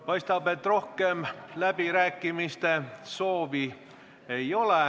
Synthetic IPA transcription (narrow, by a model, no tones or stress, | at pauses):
pɑjst̪ɑbe̞t̪ːˑro̞hkemlæb̥iɾæːkːˑimist̪e̞so̞ːvi | ejo̞le